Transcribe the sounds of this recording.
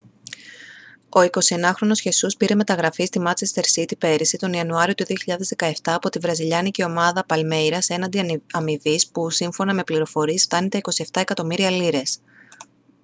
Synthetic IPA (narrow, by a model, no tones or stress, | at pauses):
o̞iko̞sie̞nɐxɾo̞no̞sçe̞suspiɾe̞me̞t̪ɐɣɾɐfist̪imɐt͡se̞st̪e̞ɾsit̪ipe̞ɾisit̪o̞niɐnuɐɾio̞t̪uðio̞çiʎɐðe̞zðe̞kɐeft̪ɐːpo̞t̪ivɾɐziʎɐniceo̞mɐðɐpɐlme̞jɾɐse̞nɐnd̪iɐmivispusiɱfo̞nɐme̞pliɾo̞fo̞ɾiesft̪ɐnet̪e̞iko̞sie̞ft̪ɐe̞kɐt̪o̞miɾiɐliɾe̞s